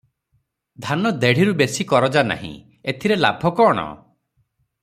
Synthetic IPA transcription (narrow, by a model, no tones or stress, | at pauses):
d̪ʱanɔd̪eɽ̤iɾubesikɔɾɔd͡ʒana̰ɦḭ̃ | et̪ʰiɾela̰bʱɔkɔːɽ̃ɔ̰